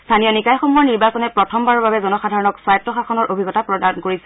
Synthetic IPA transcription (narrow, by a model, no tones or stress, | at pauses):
st̪ʰanijɔnikajxɔmuɔɹniɹbasɔnɛpɹɔtʰɔmbaɹɔɹbabɛzɔnɔxadʱaɹɔnɔkswajɔtːɔxaxʰɔnɔɹʔobʱiɡɔtapɹɔdankoɹisɛ̥